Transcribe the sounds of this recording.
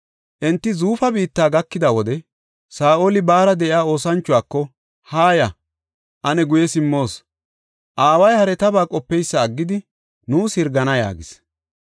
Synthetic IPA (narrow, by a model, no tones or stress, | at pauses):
ʔɛnt̪ːɪzuːfɐbiːt̪ːaːɡɐkːɪd̪ɐwɔd̪ɛ | saːʔolɪbaːɾɐd̪ɛʔɪaːo̞ːsɐnt͡ʃːʊwaːkːɔ | haːjɐ | ʔɐnɛɡʊjɛsɪmːo̞ːs | ʔaːwɐjhɐɾɛt̪ɐbaːkʼɔpːɛjsːɐːɡːɪd̪ɪ | nuːsɪɾɡɐnɐja̰ːɡɪs